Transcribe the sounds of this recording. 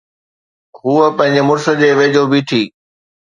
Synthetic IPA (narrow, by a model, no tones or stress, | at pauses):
ɦuːəpɐ̃ɦɪ̃ɲd͡ʑemʊɾsə̆d͡ʑeːʋeːd͡ʑoːbʱiʈ̪ʰiː